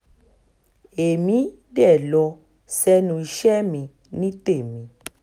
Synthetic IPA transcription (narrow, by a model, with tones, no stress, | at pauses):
e˨mĩ˦ | dɛ˦˨lɔ˧ | sɛ˧nũ˧i˧ʃɛ˦mĩ˧ | nĩ˦te˦˨mĩ˧